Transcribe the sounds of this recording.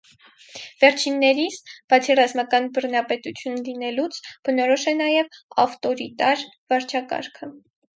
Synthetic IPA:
vɛɾt͡ʃʰinːɛɾisb̥ɑt͡sʰirɑzmɑkɑnbərnɑpɛt̪ut͡sʰjunlinɛlut͡sʰb̥ənɔɾɔʃɛnɑjɛvɑ̰ft̪ɔɾit̪ɑɾ | vɑɾt͡ʃʰɑkɑ̰ɾkʰə

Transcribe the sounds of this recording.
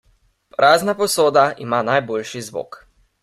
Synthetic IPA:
pɾʔaːznapɔsoːd̪aḭmanajboːlʃizʋo̰ːk

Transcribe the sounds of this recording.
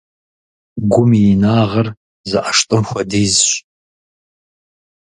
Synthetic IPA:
ɡʷʊminaːʁɐr | zɨʔaʂtʼɨmxʷɔdiːzɕʼ

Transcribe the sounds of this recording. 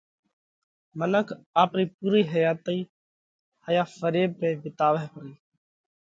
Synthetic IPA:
mənəkʰaːpɾiːp̚uːɾiːɦəjaːt̪əi | həjaːfəɾeːb̚peːbɪt̪aːʋeɦpəɾiː

